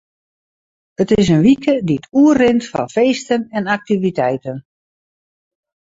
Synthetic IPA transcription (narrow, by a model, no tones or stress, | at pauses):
ətɪs̬ənʋikədiətuərrɪntfɑ̰nfeːstənɛnak̚tivitɛjtən